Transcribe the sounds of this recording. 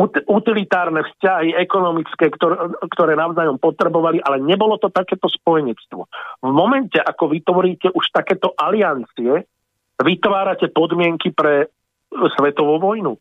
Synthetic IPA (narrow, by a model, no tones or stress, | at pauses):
ut̪ilit̪aːɾnɛfscaɦiɛkɔnɔmit͡skɛːkt̪ɔɾkt̪ɔɾɛːnaʊzaːjɔmpɔt̪ɾɛbɔʋaliʔalɛɲɛbɔlɔt̪ɔt̪akɛːt̪ɔspɔjɛɲɛt͡st̪ʋɔ̰vmɔmɛncɛʔakɔʋit̪ʋɔɾiːcɛʔuʃt̪akɛːt̪ɔʔaliant͡siɛ | ʋit̪ʋaːɾacɛpɔd̪mɪɛŋkipɾɛ | sʋɛt̪ɔʋuʋɔjnu